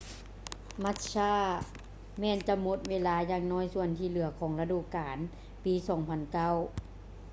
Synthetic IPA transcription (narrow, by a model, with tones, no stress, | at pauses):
ma˧˥t̪̚saː˧˥˩ | mɛː˧˨nt͡ɕa˧mo˧˦t̪̚weː˧˥˨laː˧˥jaː˧ŋnɔː˧˥˨jsu˧˨ənt̪ʰiː˧˨lɯ˩˦ɐkʰɔː˩˦ŋla˧duː˧˨kaː˨˦n | piː˨˦sɔː˩˦ŋpʰa˨nka˧˥˨w